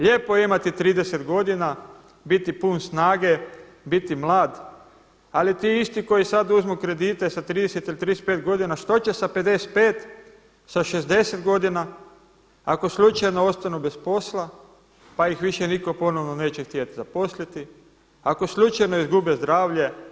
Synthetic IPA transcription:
ʎepojeimat̪it̪ɾiːd̪eset̪ɡo̞d̪ina | bit̪ipunsnaːɡe | bit̪imlˠaːd̪ | alit̪iːist̪iko̞jisad̪uzmukɾe̞d̪it̪esat̪ɾiːd̪eset̪ilit̪ɾid̪es̚pet̪ɡo̞d̪inaʃt̪o̞t͡ɕe̞saped̪ese̥t̪̚peːt̪ | saʃezd̪e̞set̪ɡo̞d̪ina | ako̞slut͡ʃajno̞o̞st̪anube̞spo̞slˠa | pajixʋiʃeniko̞po̞noʋno̞neːt͡ɕext̪iat̪izapo̞slit̪i | ako̞slut͡ʃajno̞izɡubezd̪ɾaːʋʎe̞

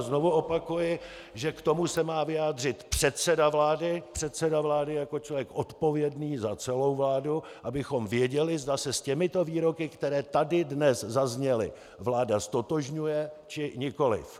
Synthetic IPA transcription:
zno̞vuʔo̞pakujɪ | ʒɛkt̪o̞musɛmaːvɪjaːdr̝ɪt̪pr̝̥ɛt̪sɛdavlaːdɪpr̥ɛt̪sɛdavlaːdɪjako̞t͡ʃlovjɛkʔo̞t̪po̞vjɛdniːzat͡sɛlo̞wvlaːdu | ʔabɪxo̞mvjɛɟɛlɪzdasɛscɛmɪt̪o̞viːɾo̞kɪkt̪ɛɾɛːt̪adɪdnɛszazɲɛlɪ̰ | vlaːdast̪o̞t̪o̞ʒɲujɛt͡ʃɪɲɪko̞lɪ̰f

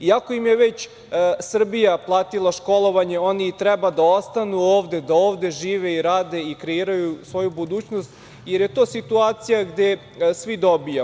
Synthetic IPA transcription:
iako̞jimje̞ʋet͡ɕ | sr̩bijaplˠaːt̪ilˠaʃko̞lˠo̞ʋaɲeo̞nit̪ɾɛbad̪ao̞st̪anuoːʋd̪e̞d̪aoːʋd̪e̞ʒiːʋeiɾaːd̪e̞ikɾeiːɾajusʋo̞jubud̪uːt͡ɕnost̪ | jeɾje̞t̪oːsit̪uaːt̪sijaɡd̪e̞ | sʋid̪o̞bija

